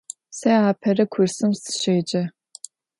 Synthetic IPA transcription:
sɐjaːpʰɐrɨkʷʰʊrsɨmsɨ̥ʃeːd͡ʒʼɐ

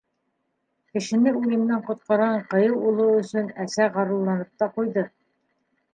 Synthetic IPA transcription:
kɘ̆ʃɘ̆nɘuj̪ɘ̆mnæɴqŏt̪̚qɑɾʁɑɴqɤ̆jɤwulˠɤɵ̆sɵnæsæʁɑɾulˠːɑnɤp̚t̪ɑqujðɤ

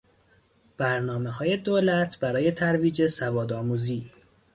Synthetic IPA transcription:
b̥æɾnɒːme̞hɒːje̞d̪oːlæt̪ʰb̥æɾɒːje̞t̪ʰæɾviːd͡ʒe̞sævɒːd̪ɒːmuːziː

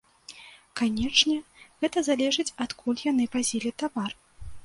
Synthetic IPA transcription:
kanʲɛt͡ʂnʲɛɣɛt̪ɐzalʲɛʐɨt͡sʲɐt̪kʰulʲjanɨpazʲilʲit̪avar

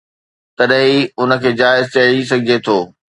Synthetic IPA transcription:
t̪ɐɗɦiʊnə̆kʰeːd͡ʑaːɪzt͡ɕɐɽis̬ɐɡʱɪd͡ʑet̪ʰoː

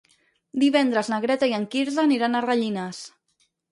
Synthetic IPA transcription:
d̪iβɛnd̪ɾəznəɣɾɛt̪aiəŋkiɾzaːniɾanərəʎinəs

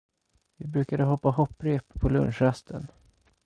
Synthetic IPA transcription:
vɪbɾʉ̟ːkad̪əɦɔpːahɔpːɾeːppʰɔlɵ̰nʂɾast̪ʰən

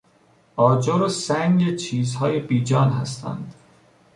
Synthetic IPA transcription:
ɒːd͡ʒoɾosæŋɟet͡ʃʰiːzhɒːjebiːd͡ʒɒːnɦæst̪ʰæ̰nd̪̥

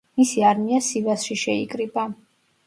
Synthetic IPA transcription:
misiaɾmiasivasʃiʃɛikʼɾibʼa

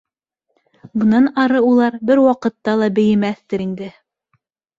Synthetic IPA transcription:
bɤ̆nɑnɑɾɤulˠɑɾbɘɾwɑqɤ̆t̪ːɑlˠɑbɘ̆jɘ̆mæθt̪ɘɾind̪ɘ

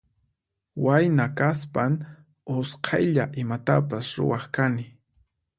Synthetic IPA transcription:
wajnakaspaŋ | osqʰɑjʎaʔɪmat̪apasɾʊ̰wɑχkanɪ

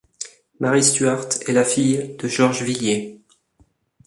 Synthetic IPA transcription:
maʁist̪ɥaʁt̪ɛlafijd̪̥əʒɔʁʒvilje

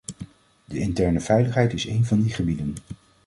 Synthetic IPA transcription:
dəɪntɛɹnəv̥ɛjləχɦɛjtɪsejnvɑndiχəbidən

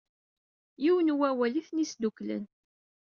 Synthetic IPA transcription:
jiwənwæwæliθnisd̪uklə̰n

